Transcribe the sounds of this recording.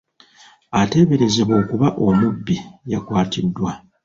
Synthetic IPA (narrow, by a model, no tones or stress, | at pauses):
ate̞ːβe̞ɾe̞zeβo̞ːkuβaʔo̞mubːijakwaːtidːwa